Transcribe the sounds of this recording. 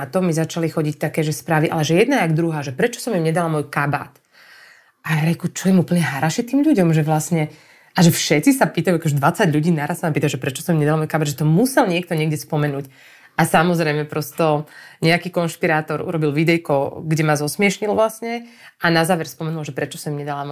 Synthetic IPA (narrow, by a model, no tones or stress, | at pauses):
at̪ɔmːizat͡ʃalixɔɟic̚t̪akɛːʒɛspɾaːʋiʔa̰lɛʒɛjɛd̪naɛaɡd̪ɾuɦaːʒɛpɾɛt͡ʃɔ̥sɔmimɲɛd̪alamɔjkaba̰t̪ | ʔajaɾɛkut͡ʃɔjɛmupl̩ɲɛɦaɾaʃɛt̪iːmʎuɟɔmʒɛʋlasɲɛ | ʔaʒɛfʃɛt͡sisapiːt̪ajuakɔʒɛd̪ʋat͡saɟʎuɟiːnaɾassːamapiːt̪aʒɛpɾɛt͡ʃɔ̥sɔmimɲɛd̪alamɔjkabad̪ʒɛt̪ɔmusɛlɲɪɛk̚t̪ɔɲɪɛɡɟɛspɔmɛnuːc | ʔasamɔzɾɛjmɛpɾɔst̪ɔɲɛakiːkɔnʃpiɾaːt̪ɔɾʔṵɾɔbilʋid̪ɛjkɔɡɟɛmazɔsmɪɛʃɲilʋlasɲɛʔanazaːʋɛɾspɔmɛnulʒɛpɾɛt͡ʃɔsɔmimɲɛd̪alam